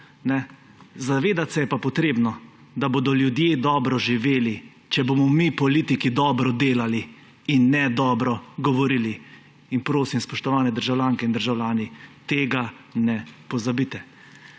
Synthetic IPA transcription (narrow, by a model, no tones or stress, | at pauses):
nɛ | zaʋeːd̪at̪sɛjɛpapɔt̪ɾeːbnɔ | d̪aboːd̪ɔljud̪jeːd̪ɔːbɾɔʒiʋeːli | t͡ʃɛboːmɔmipɔliːt̪ikid̪ɔːbɾɔd̪eːlali | inːɛd̪ɔːbɾɔɡɔʋɔɾiːli | inpɾoːsimspɔʃt̪ɔʋaːnɛd̪əɾʒawlʲjaːŋkɛind̪əɾʒawlʲjaːnit̪eːɡa | nɛpɔzabit̪ɛ